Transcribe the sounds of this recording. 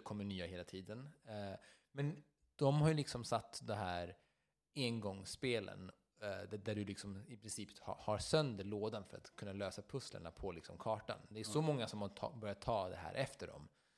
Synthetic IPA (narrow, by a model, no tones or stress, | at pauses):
kʰɔmːəɳyːaheːlat̪ʰiːd̪ən | mɛn | d̪̥ɔmhajlɪksɔmsat̪ːd̪ɔmɦæːɾ | enɡɔŋspeːlə̰n | d̪æd̪æɖɵlɪksɔmɪpʰɾɪnsiːpha̰haɾsœnd̪əɭoːd̪anfœɾa̰t̪kʰɵnːaløːsapʰɵslə̰ɳa̰pʰɔlɪksɔmkʰɑːʈa̰nd̪ɛʂɔmɔŋːasɔmha̰bœɾjad̪t̪ʰːɑːd̪ɛ̰ɦæ̰ːɾʔɛft̪əɖɔ̰m